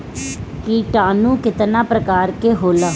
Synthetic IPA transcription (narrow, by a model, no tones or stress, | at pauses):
kiːʈãːnũːkɪt̪nãːpɾəkaːɾkeːɦoːlaː